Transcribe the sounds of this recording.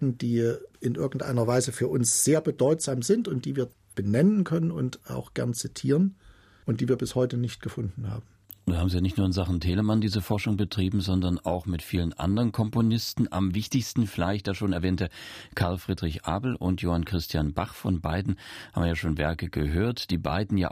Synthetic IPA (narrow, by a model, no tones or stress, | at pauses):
n̩d̥iːʔɪnʔɪɐɡŋ̩tʔa̰ɪnɐvaɪzəfyːɐʔʊnsz̥eːɐbədɔʏtz̥aːmzɪntʊnt̚d̥iːviːɐ | b̥ənɛnənkʰœnənʊ̰ntʔa̰ʊxɡ̥ɛɐnt͡sitʰiːʁən | ʔʊntd̥iːviːɐbɪshɔʏtənɪçt̚ɡ̥əfʊndn̩ha̰ːbm̩ | nuːnhaːbm̩zijaːnɪçtnuːɐɪnzaχn̩tʰeːləmandiːzəfɔɐʃʊŋbətʁ̥iːbm̩zɔndɐna̰ʊxmɪtfiːlənʔa̰ndəʁənkʰɔmponɪstn̩ʔa̰mvɪçtɪçstn̩fɪlaɪçtjaːʃoːnɛɐvɛːntəkʰaɐlfʁ̥iːdʁɪçʔa̰ːbl̩ʔʊ̰ntjoːhankʁ̥ɪstʰjanba̰χfɔnbaɪdn̩ha̰bm̩ːɐjaːʃoːnvɛ̰ɐkəɡ̥əɦøːɐtd̥iːba̰ɪdn̩ja̰ː